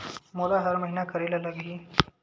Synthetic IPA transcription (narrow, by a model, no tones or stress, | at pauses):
molaɦəɾməɦinakəɾelaləɡɦiː